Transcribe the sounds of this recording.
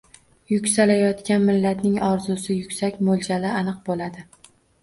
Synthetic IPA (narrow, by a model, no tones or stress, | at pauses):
jʊkʲsalajɒt̪kʲanmɪlːat̪nɪŋɒɾzʊsɪjʊkʲsakʲmolˠd͡ʒalɪanɨq̚bolad̪ɪ